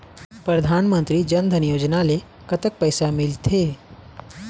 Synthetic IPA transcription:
pɾəd̪ʱanmənt̪ɾiːd͡ʑənd̪ʱənjod͡ʑnale | kət̪ək̚pəjsamilt̪ʰe

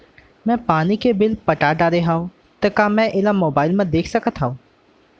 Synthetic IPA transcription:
mɛ̃ːpaːnikebɪlpəʈaɖaːɾeɦaːõ | t̪ɐkãːmɛ̃ʔɪlamoːbaːɪlmɛ̃d̪eːkʰsəkət̪ɦaːõː

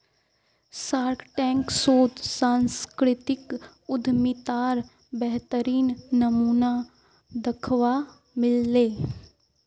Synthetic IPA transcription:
saːɾkʈɛ̃ːŋksoːt̪sãːnskɾɪt̪ɪk | ʊd̪ʱmɪt̪aːɾ | bɛɦt̪əɾiːnːɐmuːna | d̪ɐkʰʋa | mɪlːeː

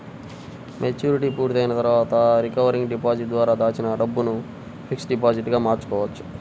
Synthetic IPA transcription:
mʔet͡ʃuːɾiʈiːpuːɾt̪ɐjnɐt̪ɐɾuʋaːt̪ɐɾikɐʋɐɾiŋɡɖipaːd͡ʒiʈ̚d̪ʋaːɾaːd̪aːt͡ʃinɐɖɐbːunu | pʰiksɖipaːd͡ʒiʈɡaːmaːɾt͡ʃu̥kɔːʋɐt͡ʃːu̥

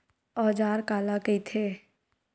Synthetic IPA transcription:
ɔːd͡ʒaːɾkaːlakəit̪ʰeː

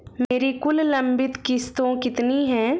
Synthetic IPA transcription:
meːɾikʊllə̃mbɪt̪kɪst̪õkɪt̪niɦɛ̃ː

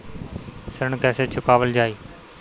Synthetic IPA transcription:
səɾɳkɛːseːt͡ʃʰʊkaːʋəld͡ʒaːiː

